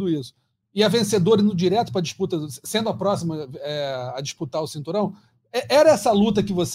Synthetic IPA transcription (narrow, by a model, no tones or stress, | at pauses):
d̪ʊisʊ̥ | ɪɐvẽsed̪oɾĩnʊd͡ʒiɾɛt̪ʊ̥pɾɐd͡ʒɪʃput̪ɐsẽnd̪ʊɐapɾɔsimɐɛɐd͡ʒiʃput̪aɾʊsĩnt̪uɾɐ̃w̃ | ɛʔɛɾɐɛsɐlut̪ɐkɪvos